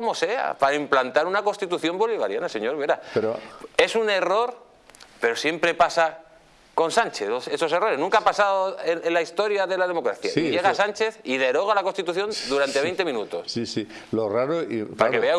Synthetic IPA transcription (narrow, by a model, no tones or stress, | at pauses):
omo̞se̞a̰paɾaimplant̪aɾunako̞nst̪it̪uθjo̞mbo̞liβa̰ɾjanase̞ɲo̞ɾβeɾapeɾoe̞sune̞ro̞ɾ | pe̞ɾo̞sje̞mpɾe̞pasa | ko̞nsant͡ʃeseso̞sero̞ɾe̞snũŋkaapasaðoenenlaist̪o̞ɾjaðe̞laðemo̞kɾaθja̰iʝe̞ɣ̞asant͡ʃe̞θiðe̞ɾo̞ɣ̞alakost̪it̪uθjo̞nd̪uɾant̪eβe̞jnt̪e̞mĩnut̪o̞ssisi | loraɾoipaɾakeβea